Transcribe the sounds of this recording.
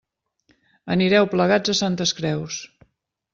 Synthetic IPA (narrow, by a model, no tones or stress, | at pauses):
əniɾɛwpləɣad͡zəsant̪əskɾɛws